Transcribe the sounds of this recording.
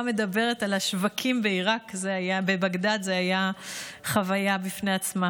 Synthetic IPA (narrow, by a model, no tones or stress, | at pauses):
me̞d̪abe̞ʁe̞talaʃvakʰimbeiʁakzeajabebaɡdalzeajaχavajabifneat͡sma